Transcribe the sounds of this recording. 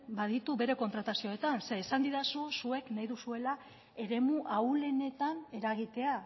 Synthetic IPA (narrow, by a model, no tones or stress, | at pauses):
bað̞it̪uβe̞ɾe̞ko̞nt̪ɾat̪asio̞et̪anseːsand̪iðasusue̞knajðusue̞la | e̞ɾe̞muʔaule̞ne̞t̪ane̞ɾaɣ̞it̪e̞a